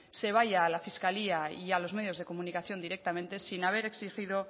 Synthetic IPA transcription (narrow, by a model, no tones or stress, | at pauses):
se̞β̞ajaːlafiskaliaialo̞zme̞ð̞jo̞zðe̞ko̞mũnikaθjo̞nd̪iɾek̚t̪amẽnt̪e̞sinaβ̞e̞ɾe̞ksixið̞o̞